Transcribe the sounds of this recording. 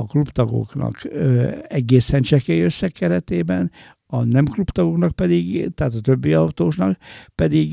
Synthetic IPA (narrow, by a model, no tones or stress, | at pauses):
ɒklupt̪ɒɡo̞̰knɒ̰k | ɛɡeːsɛnt͡ʃɛkɛjøsːɛkːɛɾɛt̪eːbɛn | ɒnɛmklupt̪ɒɡo̞knɒk̚pɛd̪iɡt̪ɛaːt̪ɒt̪ø̞bːiɒwt̪oːknɒkpɛd̪iɡ